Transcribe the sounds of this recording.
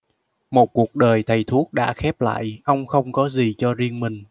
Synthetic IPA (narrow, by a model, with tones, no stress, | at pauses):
mo˨˩t̚ku˨˩ək̚ɗəː˨˩jt̪ʰə˨˩jt̪ʰu˦˥ək̚ɗa̰ː˧˥xɛ˦˥p̚la̰ː˧˨jʔə˧wŋ͡mxə˧wŋ͡mkɔ˨˦zi˨˩t͡ɕɔ˧zi˧əŋmï˨˩ŋ̟